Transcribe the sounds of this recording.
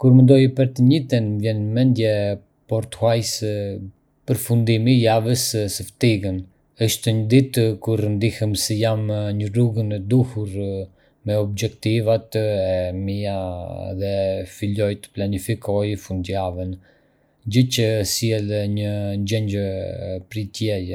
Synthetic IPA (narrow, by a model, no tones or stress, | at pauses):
kuɾmənd̪ɔjpəɾt̪əɲit̪ɛnvjɛnmɛnd̪jɛ | pɔɾt̪ə̥hwajsə | pəɾfund̪imijavəssəft̪iɡən | əʃt̪əɲəd̪it̪kuɾnd̪ihəmsɛjamɲəruɡənɛd̪uhuɾ | mɛɔb̚d͡ʒɛkt̪ivat̪ɛmiaðɛfilɔjt̪ə̥planifikɔjfund̪javən | d͡ʑət͡ʃəsjɛlɲəɲd͡ʑɛɲd͡ʑəpɾit̪jɛjɛ